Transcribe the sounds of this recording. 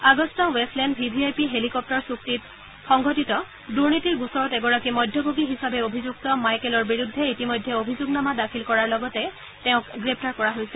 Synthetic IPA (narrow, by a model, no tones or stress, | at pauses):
aɡɔstɔwestlɛndpʰibʱiajpiɦelikɔp̚tɔɹsuk̚tit̚ | xɔŋɡʱɔtitɔ | duɹnitiɹɡusɔɹɔtɛɡɔɹakimɔjdʱjɔbʱoɡiɦisabɛobʱizuk̚tɔmajkɛlɔɹbiɹudʱːɛitimojdʱːɛobʱizuɡnamadakʰilkɔɹaɹlɔɡɔtɛ | tɛʊ̃kɡɹepʰtaɹkɔɹaɦojsɛ